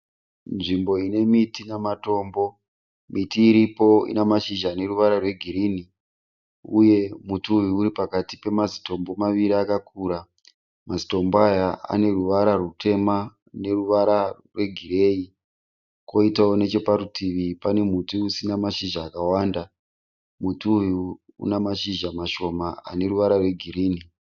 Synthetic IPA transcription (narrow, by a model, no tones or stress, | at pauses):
nʐimbo̞ine̞mitinamato̞ːmbo̞ | mitiːɾipo̞ḭnemaʃiʒane̞ruʋaɾarwe̞ɡʱiɾini | uje̞mutuːjuuɾipakatipe̞mazi̥to̞mbo̞maʋiɾiakakʰuɾa | mazito̞mboajaa̰ne̞ruʋaɾarute̞ma | ne̞ruʋaɾa | rwe̞ɡʱiɾe̞ːi | ko̞itaone̞t͡ʃo̞paɾutʰiʋipane̞mutuusinamaʃiʒaːkawaːnda | mutuuji | ṵnamaʃiʒamaʃo̞maa̰ne̞ɾuʋaɾarwe̞ɡʱiɾiːni